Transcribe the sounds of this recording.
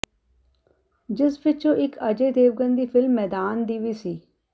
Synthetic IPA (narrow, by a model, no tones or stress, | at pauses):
d͡ʒɪsbɪt͡ʃõʔɪkəd͡ʒeːd̪eːʋɡənd̪iːpʰɪlmːɛːd̪aːnd̪iːʋiːsiː